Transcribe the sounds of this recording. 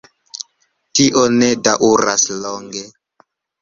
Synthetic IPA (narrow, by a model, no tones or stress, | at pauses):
tiʔonedaʔuɾasloŋɡe